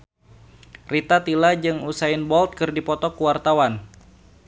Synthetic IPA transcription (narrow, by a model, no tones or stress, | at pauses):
rit̪at̪ilad͡ʒɨŋusaɪnbɔlt̪̚kɨrdipɔt̪ɔkuwart̪awan